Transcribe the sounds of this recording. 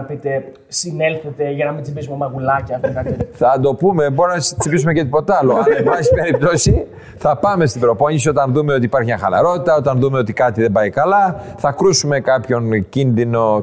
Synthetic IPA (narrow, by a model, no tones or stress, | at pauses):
ɐpit̪e̞ | sine̞lθet̪e̞ʝɐnɐmit͡sipis̬umemɐɣulɐcɐt̪okɐeθɐd̪o̞pume̞bo̞ɾinɐst͡sipisume̞cet̪ipo̞t̪ɐlonɐbɐsi̥pe̞ɾip̚t̪o̞si | θɐpɐme̞st̪ibɾo̞po̞ɲisio̞t̪ɐnðume̞o̞t̪ipɐɾçimɲɐ̃xɐ̰lɐ̰ɾo̞t̪it̪ɐo̞t̪ɐnðumeo̞t̪ikɐt̪iðe̞bɐikɐlɐθɐkɾusume̞kɐpço̞ncinðino̞